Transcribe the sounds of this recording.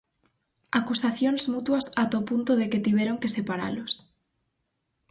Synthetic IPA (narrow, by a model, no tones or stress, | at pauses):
akusaθjonsmut̪wasat̪opunt̪oðeket̪iβeɾoŋkesepaɾa̰los